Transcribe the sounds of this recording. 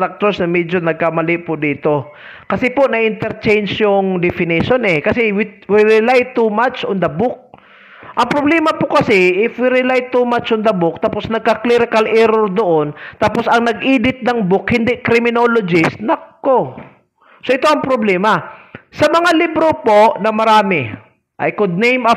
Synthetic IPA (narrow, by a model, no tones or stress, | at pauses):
ɐk̚t̪osnɐmɛd͡ʒonɐɡ̚kamɐlɪʔpʊd̪iːt̪o̞ | kɐsɛponɐʔɪnt̪ɛɾt͡ʃɛjnsjʊŋd̪ɛfɪniʃonɛkɐsɛwɪwɪɾɪlajt̪umat͡ʃʔond̪ɐbʊk̚ | ʔɐŋpɾoblɛːmɐpokɐsɪʔɪfwɪɾɪlajt̪umat͡ʃʊŋd̪ɐbʊk̚t̪aposnɐɡ̚kɐkliɾɪkɐlʔɛɾoɾd̪oʔont̪aposɐŋnɐɡʔiːd̪ɪt̪̚nɐŋbʊkhɪnd̪ɪʔkɾɪmɪnolod͡ʒɪsnɐkkːo | soʔɪt̪oɐŋpɾoblɛːmasɐmɐŋalibɾopoʔnɐmɐɾaːmɪ | ʔa̰jkʊd̪̚nejmɐ